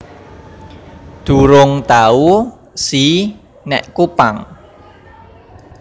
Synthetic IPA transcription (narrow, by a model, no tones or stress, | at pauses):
d̪̥ṳɾʊŋt̪au | si | nɛʔkupaŋ